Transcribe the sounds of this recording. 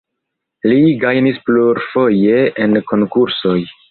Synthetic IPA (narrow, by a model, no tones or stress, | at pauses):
liɡajnispluɾfo̞je̞enko̞ŋkuɾso̞j